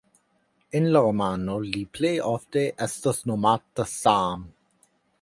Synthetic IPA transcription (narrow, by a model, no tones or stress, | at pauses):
ɪnlaɾomanolipʰlejʔɔfd̪eʔɛst̪əsnomaːt̪əsaːm